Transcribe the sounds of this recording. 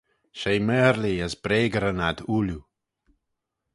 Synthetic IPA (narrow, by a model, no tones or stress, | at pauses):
ʃejmɛɾliəsbɾeːɡəɾənad̪uːlu